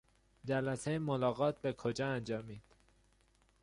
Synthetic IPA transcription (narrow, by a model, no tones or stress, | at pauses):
d͡ʒælæsejemolɒːɣɒːt̪̚be̞kʰod͡ʒɒːænd͡ʒɒːmiːd̪̥